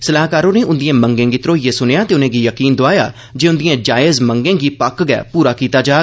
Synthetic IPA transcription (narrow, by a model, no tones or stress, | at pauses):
səlaːkaːɾõːneːʊnd̪ɪjãːməŋɡẽːɡit̪ɾoːjeːsʊnjaːt̪eːʊnẽːɡiːjəkiːnd̪oaːja̰ː | d͡ʒeːʊnd̪ɪjãːd͡ʒaːɪzməŋɡẽːɡiːpəkɡɛ̰ːpuːɾaːkiːt̪aːd͡ʒaː